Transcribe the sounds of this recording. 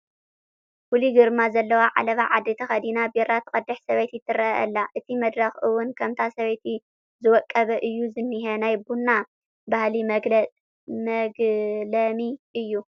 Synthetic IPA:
kuliɡɨɾmazɐlːɐwaʕa̰lɐβaʕad̪ːet̪ʰɐxɐd̪inabeɾat̪ʰɨkʼɐd̪ːɐħsɐβet̪jɪt̪ʰːɨrɐʔɐ̰lːaʔɨt̪ʰimɐd̪ɾɐxɨwʊnkʰɐmt̪ʰasɐβet̪ʰi | zɨwɔkʼːɐβɐʔɨjːuzɨnːiɦɐnajbunːa | bahlim | mɐɡlɐmiʔɨjːu

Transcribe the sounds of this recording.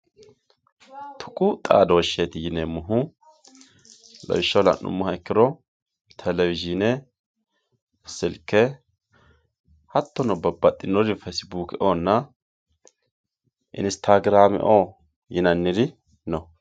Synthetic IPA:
t̪ʰʊkʼʊt̪ʼa̰ːd̪ɔwɔʃːet̪ɪjɪnemʊɦʊ | lɐ̰wɪʃːɐlɐ̰nːʊ̰mːʊhɐɛkːɪɾɔ | t̪ʰɛlɛwɪd͡ʒɪnɛ | sːɪlkːɛ | hɐt̪ːɔnɔbɐbːɐt̪ʼːɪnːɔd̪ɪfɛsbuːkɪʔonːɐ | ʔɪ̰nst̪ʰaɡɾaːmɪ̰ʔo | jɪnɐnːɪd̪ɪ | nɔ

